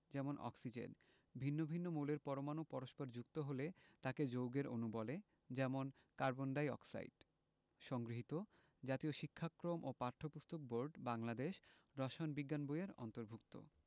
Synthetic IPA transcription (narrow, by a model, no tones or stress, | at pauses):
d͡ʑɛmonʔɔ̰ksid͡ʑḛn | bʱinːobʱinːomuleɾpɔɾomanopɔɾoʃpɔɾd͡ʑukt̪oɦolet̪aked͡ʑowɡeɾonubɔle | d͡ʑɛmon | kaɾbonɖajɔ̰ksa̰ḭɖ | ʃɔŋɡɾiɦit̪o | d͡ʑat̪ioʃikʰːakɾomʔopaɾt̪ʰopust̪ok̚boɾɖbaŋlad̪eʃd̪ɔʃonbiɡːanbojeɾɔ̰nt̪oɾbʱukt̪o̰